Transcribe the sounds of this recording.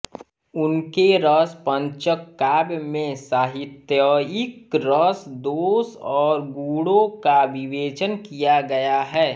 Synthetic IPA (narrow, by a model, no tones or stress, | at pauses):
ʊnkeɾəspə̃ɲt͡ʃəkːaːbmẽsaːɦɪt̪jəɪkɾəsd̪oːsɔːɾɡuːɽõkabɪʋeːt͡ʃənkijaɡɐjaɦɛː